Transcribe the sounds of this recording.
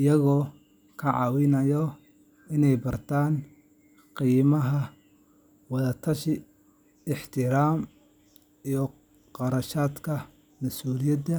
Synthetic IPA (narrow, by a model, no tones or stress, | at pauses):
ʔɪjɐɣɔː | kʰɐʕɑːwɪnɐjɔ | ɪnɛjbɐrt̪ʰaːn | qiːmɐɦɐ | wɑðɐt̪ʰɐʃɪ | ɪħt̪ʰɪɾaːm | ijɔ | qɑɾɐʃaːd̪kʰɐ | mɐsuːlɪjɐd̪ɐ